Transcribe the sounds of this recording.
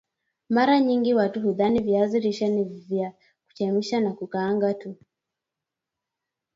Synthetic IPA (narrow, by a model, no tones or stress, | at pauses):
maɾaɲiŋɡiwatuɦuðanivjaziɾiʃɛnivja | ku̥t͡ʃɛmiʃanakukaːŋɡatu